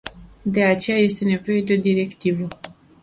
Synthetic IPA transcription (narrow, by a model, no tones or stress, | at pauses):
d̪e̞at͡ʃe̞jaje̞st̪e̞ne̞vo̞je̞d̪e̞o̞d̪iɾe̞kt̪ivə